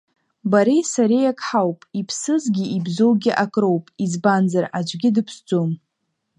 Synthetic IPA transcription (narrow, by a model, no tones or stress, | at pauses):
baɾejsaɾejakʼħawpʼipʰsɨzɡʲɪibzo̞wɡʲɪʔakʼro̞wpʼizbanzarad͡ʒʷɡʲɪdɨpʰsd͡zʷʼom